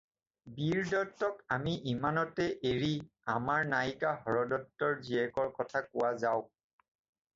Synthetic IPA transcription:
biɹdɔtːɔkamiʔimanɔtɛʔeɹi | amaɹnajkahɔɹɔdɔtːɔɹziɛkɔɹkɔtʰakʊwazaʊ

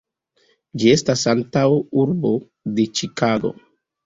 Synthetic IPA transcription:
d͡ʒie̞stasantawuɾbo̞ | de̞t͡ʃikaɡo̞̰

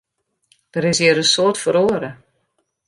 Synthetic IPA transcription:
d̥əɾɪsjɪɾənsoətfoɾoəɾə

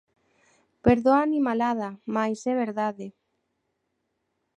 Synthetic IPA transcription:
peɾðoanimalað̞amajsɛβ̞eɾðaðe

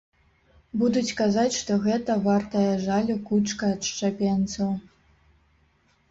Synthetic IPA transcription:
bud̪ut͡sʲkazat͡sʲʂt̪ɔɣɛt̪ɐvart̪ɐjɐʐalʲukut͡ʂkɐːt̪ʂt͡ʂapʲɛnt̪sɐw

